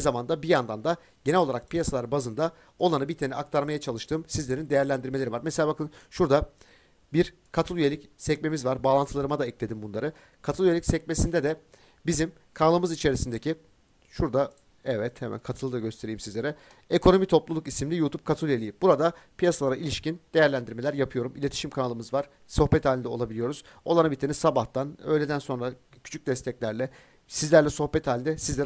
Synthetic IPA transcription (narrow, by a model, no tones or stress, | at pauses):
nizamand̪abijand̪and̪a | ɟ̥e̞nɛlʲo̞lˠaɾak̚pʰijasalˠaɾbazɯnd̪a | o̞lˠanɯbiɾt̪ʰenɛak̚t̪ʰaɾmajat͡ʃʰalˠɯʃt̪ʰɯːmsizlʲe̞ɾind̪ejæɾlʲænd̪iɾmelʲeɾivaɾmɛselʲaːbakʰɯnʃuɾd̪a | biɾ | kʰat̪ʰɯlˠyjeicsɛcme̞mizvaɾbaːlˠant̪ʰɯlˠaɾɯmad̪aɛclʲe̞d̪imbunlˠaɾɯ | kʰat̪ʰɯlˠyjeicʲsɛcme̞sind̪ɛd̪ɛ | bizim | kʰalˠɯmɯzit͡ʃʰe̞ɾisind̪ecʰi | ʃuɾd̪a | ɛvɛt̪hɛmæ̰nkʰat̪ʰɯlˠɯd̪aɟø̞st̪ʰe̞ɾijːimsizlʲe̞ɾɛ | ekʰo̞no̞mit̪ʰo̞plˠulˠukisimlʲijuːt̪ʰup̚kʰat̪ʰɯlˠjelʲijibuɾad̪apʰijasalˠaɾaʔilʲiʃcind̪̥e̞jæɾlʲænd̪iɾme̞lʲæɾjapʰɯjo̞ɾumilʲe̞t̪ʰi̥ʃimkʰanalˠɯmɯzvaɾ̥ | so̞xpɛt̪haːlʲind̪ɛo̞lˠabilʲijo̞ɾuz̥ | o̞lˠaɾabit̪ʰenisabaht̪ʰanø̞̰jlʲed̪ænso̞nɾa | cʰy̥t͡ʃʰyc̚d̪ɛst̪ʰɛclʲæɾlʲɛ | sizlʲæɾlʲɛso̞hpɛt̪ʰhaːlʲind̪ɛsizlʲeɾ